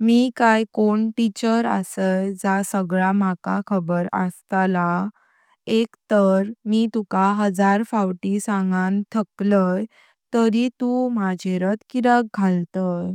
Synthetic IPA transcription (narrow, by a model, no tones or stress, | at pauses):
mikajkoɳʈit͡ɕəɾə̰səjd͡zasəɡɭamaka̰kʰəbəɾə̰st̪ala | ekt̪əɾmit̪ukaɦəd͡zaɾfawʈisãŋɡant̪ʰəkləj | t̪əɾit̪umad͡ʑʱeɾət̪kiɾəɡɡʱalt̪əj